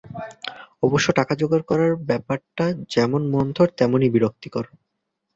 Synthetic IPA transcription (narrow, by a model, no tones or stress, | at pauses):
ɔboʃːoʈakad͡ʑoɡaɾkɔɾaɾbɛpaɾʈad͡ʑɛmonmɔnd̪ʱoɾt̪ɛmonibiɾok̚t̪ikɔɾo